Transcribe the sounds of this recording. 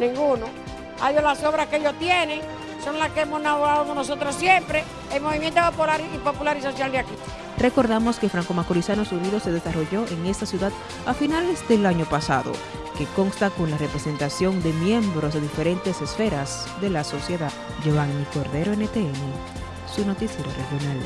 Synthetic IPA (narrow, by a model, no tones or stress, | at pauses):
nĩŋɡuno | aiolasoβɾaskeeʝost̪jenẽŋ | so̞ŋlaskeemosnaβoɣaðokonosot̪ɾosjempɾe | elmoβimjent̪opopulaɾipopulaɾiso̞sjald̪jaki | re̞ko̞ɾðamo̞ske̞fɾaŋko̞makoɾisanosuɾiðo̞se̞ðe̞saro̞ʝo̞ʔeŋe̞st̪asjuðað | afinalesd̪e̞laɲo̞pasa̰ðo̰ | ke̞ko̞ŋst̪ako̞nlare̞pɾese̞nt̪asjo̞nd̪e̞mje̞mbɾosðeðifeɾe̞nt̪e̞se̞sfe̞ɾasðe̞laso̞sje̞ðað | d͡ʒoβaŋniko̞ɾðe̞ɾoenet̪eene̞ | suno̞t̪isje̞ɾore̞xjo̞nal